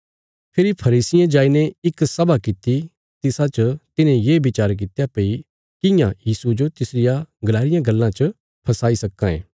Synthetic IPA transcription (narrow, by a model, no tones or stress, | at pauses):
pʰɪɾipʰɐɾiːsɪjãd͡ʒaːineɪksɐbakɪt̪i | t̪ɪsãt͡ʃət̪ɪnẽjeːbɪt͡ʃaːɾk̬ɪt̪japei | kɪjãjiːsud͡ʒot̪ɪsɾɪjaɡɐlaːɾɪjãɡɐlːãt͡ʃə | pʰɐsaːisɐkːãḛ̃ː